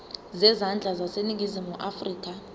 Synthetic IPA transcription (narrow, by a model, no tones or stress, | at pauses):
zɛzand͡ɮʱazasenik̬izimuʔafriːk̬ʼa